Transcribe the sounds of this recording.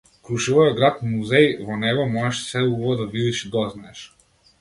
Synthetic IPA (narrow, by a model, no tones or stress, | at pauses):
kɾuʃivɔjɔd̪ɡɾat̪muzɛjvɔnɛɡɔmɔʒɛʃsɛubɔɔd̪avilit͡ʃid̪ɔznaɛʃ